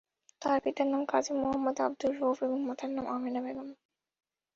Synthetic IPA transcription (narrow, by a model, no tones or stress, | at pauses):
t̪aɾpit̪aɾnamkad͡ʑimoɦɐmːɐd̪a̰b̚d̪ulɾofeboŋmɔt̪ʰaɾnamʔaminabelam